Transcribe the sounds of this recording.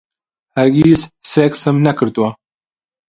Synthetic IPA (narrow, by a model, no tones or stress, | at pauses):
haɾɡizseksəmnakəɾt̪uwa